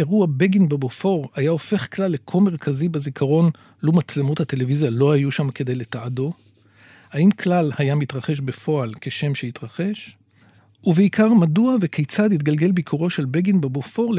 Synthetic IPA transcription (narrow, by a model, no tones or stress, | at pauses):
eʁuabeɡinbebofo̞ʁajao̞fe̞χklalːekʰome̞ʁ̞kʰazibezikʰaʁo̞n | lomat͡slemothat̪e̞levizjalo̞hajuʃamke̞de̞jle̞taado̞ | haimkʰlalhajamit̪ʁaχe̞ʃbe̞fo̞alke̞ʃe̞mʃehit̪ʁaχe̞ʃ | uveikaʁmaduave̞kʰejt͡sad̪it̪ɡalɡe̞lbikʰuʁo̞ʃe̞lbeɡinbebofo̞ʁl